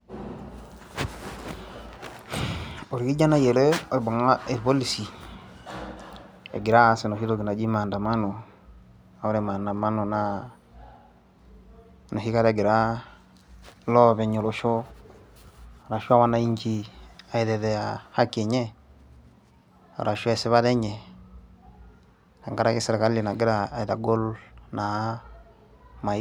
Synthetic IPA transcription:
o˨ɾki˦d͡ʒa˦na˦je˨le˦o˨ɾbo˨ŋa˦i˨ɾbo˦li˨si˨ | ḛ˨ɡi˨ɾa˦se˨no˨hi˦lo˦ɡi˨na˨d͡ʒi˦ma˨nda˨ma˦no˨ | a˨wo˦ɾe˨ma˨nda˨ma˦no˨na˦ | no˨ɦi˦ka˦ɾe˨ɡi˨ɾa˦ | lɔ˦βɛ˨ɲo˨lo˨ʃɔ˦˨ | ɾa˨ʃu˦a˦wa˦na˦i˦ɲd͡ʒi˦a˨i˨ɾɛ˨ðɛ˨a˨ha˦kɛ˨ɲɛ˦ | ɔ̰˨ɾa˨ʃwɛ˨sɛ˦βa˦ɾɛ˦ɲɛ˨ | ka˨ŋɡa˦ɾa˦ki˦sɛ˦ɾɛ˨ka˦lli˨na˨ɡi˦ɾaː˦˨i˨ɾa˨ɡo˦lna˨˦ | ma˨˦

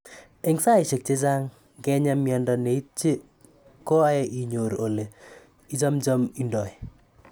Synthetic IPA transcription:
e˦ŋsa˦ɪ˨ʃɪ˨k̚t͡ʃe˦d͡ʒa˦ŋ | ɡɛ˦ɲa˦mjɔ˨ndɔ˨ne˨i˦t͡ʃːe˦ | kɔ˦a˦ɛ˦ʔi˨ɲo˨ɾo˨le˨ | i˦d͡ʒa˦md͡ʒɔ˦mi˦ndɔ˨ɛ˨

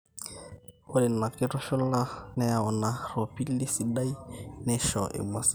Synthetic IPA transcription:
o˦lɛ˨na˨kɪ˦tɔ˦ʃɔ˦la˦nɛ˦a˨ɔ˨na˨rɔ˨pi˦li˦si˨da˦i˦nɛ˦ʃɔ˨ʔḛ˨mwa˨s

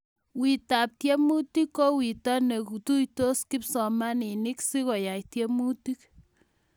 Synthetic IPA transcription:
wi˨ta˨p̚tje˦mu˦ti˦kːo˦wi˨tɔ˦ne˨ku˨tu˦jto˦ski˦psɔ˨ma˦ni˨ni˦ksi˦ko˨ja˨jtje˦mu˦ti˦k

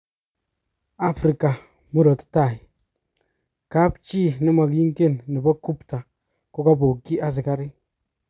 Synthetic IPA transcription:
a˦fɾi˨ka˨ | mu˦ɾo˨tta˦˨i˨ | ka˦pt͡ʃi˦˨nɪ˦ma˨kji˦ŋke˦˨nːɪ˨bɔ˦ku˦pta˨ | ko˦ka˦bo˨kːi˦a˦s̬ɪ˨ka˦ɾi˦

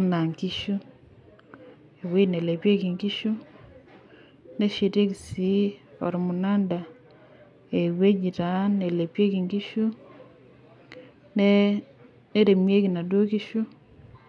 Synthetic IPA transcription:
na˨ŋki˦ʃu˦ | e˨we˦˨ne˨le˨pje˦ki˨ŋki˦ʃu˦ | ne˦ʃe˨te˦ki˨si˦ɔ̰˨ɾmu˨na˦nda˨ | e˨we˦d͡ʒi˨ta˨˦ne˨le˨pje˦ki˨ŋki˦ʃu˦ | n˦ | ne˦ɾe˨mje˦ki˨na˨do˦ki˦ʃu˦

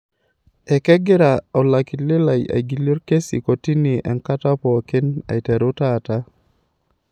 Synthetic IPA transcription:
ɛ˨kɛ˦ɡɪ˦ɾa˨ɔ˨la˨ki˨lɪ˦la˨ja̰˨ɡi˨li˦ɾke˦sḭ˨ko˨ti˦nɪ˨ʔɛ̰˨ŋka˦ta˦pɔ˨kɪ˦na̰˨tɛ˨ɾo˦ta˦˨ta˦

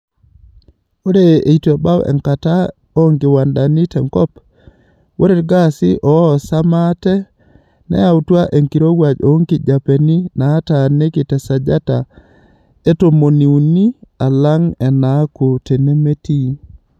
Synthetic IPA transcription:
o˦ɾe˦e˨itɔ˨ba˦wɛ̰˨ŋkata˦ | o˦ŋɡɪ˨wa˨nda˨ni˦tɛ˨ŋkɔ˦p | wʔo˦ɾe˦ɾɡasɪ˦ʔɔ˨˦˨sa˦ma˦tɛ˦ | nɛ̰˦ja˨utwa˦ʔe˨ŋki˨ɾo˦ɡwad͡ʒo˨˦ŋkɪ˨d͡ʒa˨pe˨ni˦naː˦tane˦kɪ˨tɛ˨sa˨d͡ʒa˦ta˨ | e˦to˨mo˨ni˨u˨ni˦a˨la˦ŋɛ˨na˦ku˨te˨ne˦me˦ti˦

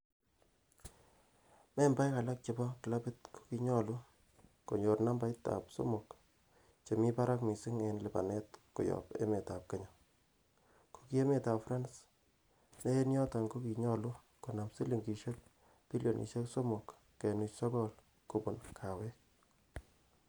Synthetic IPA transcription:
mɛ˦mba˦jka˨la˦k̚t͡ʃe˨bɔ˦kɪ˨la˦pɪ˦tkʰo̥˦ki˨ɲɔ˦˨lu˦ | ko˨ɲo˨rna˦mba˦jta̰˨pso̰˦mo˨k | t͡ʃe˨mi˦pa˦ɾa˦kmi˨si˦ŋe˨nlɪ˨pa̰˨nɛ˦tko̰˨jɔ̰˨pḛ˦me˨ta˨p̚ke˦ɲɔ˨ | ko̥˨ki˦e˦me˨ta˨pfɾa˦ns | ne˦njɔ˦ta˨ŋɡo˦ki˨ɲɔ˦lu˦ | ko˨na˨psi˦li˨ŋɡi˨ʃe˦k̚ | pi˦ljo˨nʔḭ˨ʃe˦kso˦mo˨kː | e˨nu˨t͡ʃsɔ˦kɔ˦l | ko˨bʊ˨nkʰa˨we˦k̚

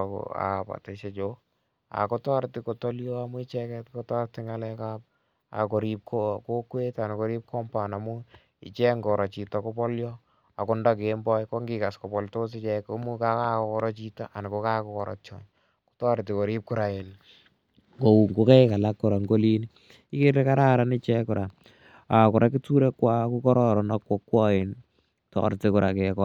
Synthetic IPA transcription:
ko̰a̰˨pa̰˨te˨ʃe˨t͡ʃo | a̰˨ko˦tɔ˦ɾti˨ko˨tɔ˦ljɔ˦amu˦i˦t͡ʃɛkɛtko˦tɔ˦ɾti˦ŋa˦lɛkap̚ | a̰˨ko˨ɾi˦p̚kʰoko˦kwe˦ta˨niko˦ɾi˦p̚kɔ˦mpa˨na˨mu˦ | ḭ˨t͡ʃɛ˦ŋɡɔ˨ɾɔ˨t͡ʃi˨ta˨ko˦pɔ˦ljɔ˦ | a˨ko˦nda˦k̬embɔ˦jko˦ŋɡika˨sko˨pɔ˨lto˦s̬i˦t͡ʃɛkomu˦ka˦ka˦ko˨kɔ˦ɾɔ˦t͡ʃi˦ta˦ʔa˨ni˨ko˦ka˦kɔkɔɾɔ̰˨t͡ʃɔ̰˨ɲ | ku̥˦tɔ˦ɾti˨ko˨ɾi˦p̚kʊ˦ɾa˨e˨n | ŋɡo˨u˨ŋɡo˦kɛ˦ka˨la˦kːʊ˨ɾa˨ŋɡo˦li˦ni | i˦ke˦rle˦ka˦ɾa˦ɾa˦ni˦t͡ʃɛ˦kʊ˨ɾa˨ | a˨kʊ˨ɾʔa˦ki˦tu˦ɾe˦kwa˦ku˦kɔ˦ɾɔɾɔ˨nakwo˦kːwɔ˦i˨n | tɔ̰ɾti˦kʊ˨ɾa˨kɛ˨kɔ˦

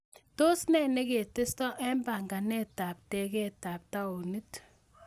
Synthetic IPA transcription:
to˦snɛ˦ne˦ke˨te˦stɔ˦ʔɛ˦mba˨ŋɡa˨nɛ˦ta˨p̚tɛ˨kɛ˦ta˨p̚ta˦o˨ni˦t

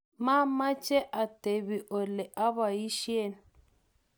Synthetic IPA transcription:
ma˦ma˦t͡ʃʼɛ˦ʔa˨te˨βi˨ʔʊ˨lɛ˨ʔa˦βa˨i˦ʃje˦˨n

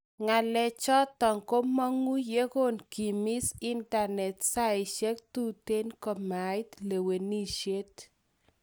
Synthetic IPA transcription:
ŋa˨lɛ˨t͡ʃɔ˦tːɔ˨ŋko˦mɔ˦ŋu˦je˦ɡo˦nki˨mi˦si˦nta˨nɛ˨tsa˦ɪ˨ʃɛ˦k̚tu˦te˦nkɔ˨ma˨ɪ˦tle˨we˨ni˦ʃe˦t

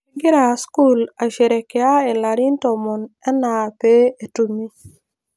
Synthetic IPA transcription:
ɡɪ˦ɾa˨sku˦la˨ʃe˨ɾɛ˨kɛ˨˦a˦ɛ˨la˨ɾi˦ntɔ˨mɔ˨nɛ˦na˨pe˦e˨tu˨mi˦

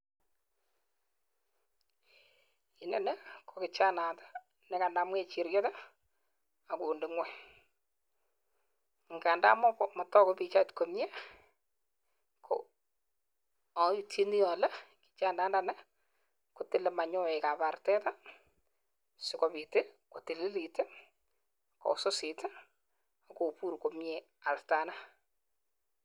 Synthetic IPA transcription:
ɪ˨nɛ˨nɛ˦kʰɔ˨kɪ˨t͡ʃa˦na˨tḁ˦ | nɛ˨ka˨nda˦mwɛ˨t͡ʃi˨ɾjɔ˦ta˦ | a˨kuː˨ndɪ˨ŋwɛ˦ | ŋɡa˨nda̰˦mɔ˦kɔma˨tɔ˦kɔ˦pi˨t͡ʃa˦tko˨mjɛ˦ | kʰɔ̰ | ɔ˨u˨tʰi˦ni˦ɔ˨lɛ˦ki̥t͡ʃa˦nda˦nda˨nɛ˦ | ko˨tɪ˦lɛ˨ma˨ɲɔ˦ɛ˨ka˨pa˨rtɛ˦ta˦ | sɪ˦kɔ˨pi˨te˦ko˨tɪ˨lɪ˦li˨te˦ | kɔ̰˨so˦sɪ˨ta˦ | a˨ko˨pu˦ɾko˨mɲe | a˨lta˨na˦

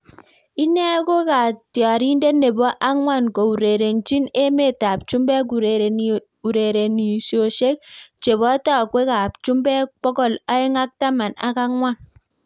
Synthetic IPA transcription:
i˦nɛ˦ko˦ka˨tjɔ˨ɾi˦nde˦ne˨bɔ˦ʔa˦ŋwa˦˨nko˨u˨ɾe˨ɾe˨nt͡ʃi˦ne˦me˦˨ta˨p̚t͡ʃu˦mbɛ˦k̬u˨ɾe˨ɾe˨ | u˨ɾe˨ɾe˨ni˨sjo˨ʃe˦k̚t͡ʃe˨βɔ˦ta˦˨kwe˦ka˨p̚t͡ʃu˦mbɛ˦pɔ˦kɔ˦˨la˦e˦ŋa˦k̚ta˦ma˨na̰˨˦ka˦ŋwa˦n

